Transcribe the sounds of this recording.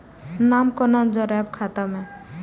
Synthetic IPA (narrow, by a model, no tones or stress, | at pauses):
namkɔnɔnd͡ʒɔɾɛb̚kʰat̪ame